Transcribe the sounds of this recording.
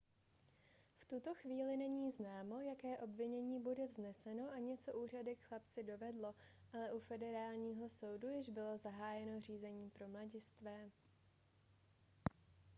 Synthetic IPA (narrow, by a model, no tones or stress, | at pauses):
ft̪ut̪o̞xviːlɪnɛɲiːznaːmo̞jakɛːʔo̞bvɪɲɛɲiːbudɛvznɛsɛno̞ʔaɲɛt͡so̞ʔuːr̝adɪkxlap̚t͡sɪdo̞vɛdlo̞ | ʔalɛʔufɛdɛɾaːlɲiːɦo̞so̞wdujɪʒbɪlo̞zaɦaːjɛno̞r̝iːzɛɲiːpɾo̞mlaɟɪst̪vɛː